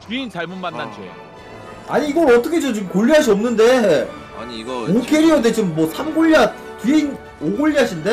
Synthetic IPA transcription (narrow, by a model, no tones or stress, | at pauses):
a̰ɲiːɡʌɾʌt͈ʌkʰed͡ʑot͡ɕomkoʎːiɦaɕ̬ʰiʌmnɯnde̞ | okʰeɾiodet͡ɕomːwʌsʰamɡoʎːa | tiɦein | oɡoʎːiɦaɕʰinde̞